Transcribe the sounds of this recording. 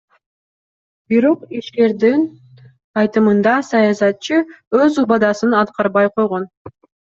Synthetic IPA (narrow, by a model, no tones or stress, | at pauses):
biɾo̞qiʃk̪e̞ɾd̪in | ɑjt̪ɯmɯnd̪ɑsɑjɑsɑt̪̚t͡ʃɯøzubɑd̪ɑsɯnɑt̪qɑɾβɑjqʰo̞jʁo̞n